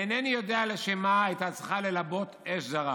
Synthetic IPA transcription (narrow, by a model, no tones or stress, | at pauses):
enenijod̪ealeʃemaajt̪at͡slχale̞labo̞t̪eʃzaʁa